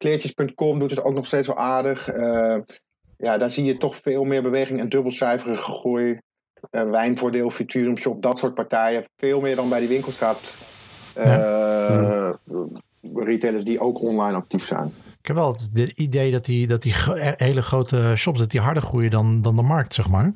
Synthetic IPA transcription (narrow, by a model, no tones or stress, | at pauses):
klɪːɹjəspɵntkɔmdutəto̰wknɔχstejtsʋɛ̰lˠʔaːɹdəχə | jadaːɹzijətɔχfɪːlˠmɪːɹbəʋejχɪŋɛndɵbəl̩ˠsɛjfərəχəχuj | əʋɛjnvʊːɹdeːlˠfitʰyːrəmʃɔp̚dɑtsʊːɹt̚paɹtɛjəfɪːlˠmɪːɹdɑnbɛjdiʋɪŋkəlˠsapt | ja | riteləsdiʔowkɔnlɑjnɑk̚tifsɛ̰jnɪkɛpʋɛlˠətəidejdɑtdidɑtiɦejləχrowtəʃɔpsdɑt̚diɦɑɹdəɹχrujədɑndɑndəmɑɹk̚tsɛχmaːɹ